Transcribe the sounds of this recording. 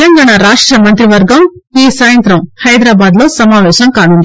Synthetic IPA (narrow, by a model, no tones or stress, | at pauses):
lɐŋɡaːɳaɾaːʂʈɾɐmɐnt̪ɾiʋɐɾɡɐmiːsaːjɐnt̪ɾɐmhɐjd̪ɾaːbaːd̪lo̞ːsɐmaːʋɛːʃɐmkaːnund̪i